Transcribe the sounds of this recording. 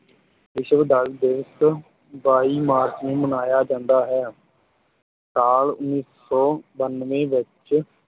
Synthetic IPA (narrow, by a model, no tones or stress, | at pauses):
ʋɪʃʋd̪aːld̪ɪʋəs | baːiːmaːɾt͡ʃnũːmənaːjaːd͡ʒãːnd̪aːɦɛː | saːlʊnːiːs | ɔːbənʋẽːʋɪt͡ʃ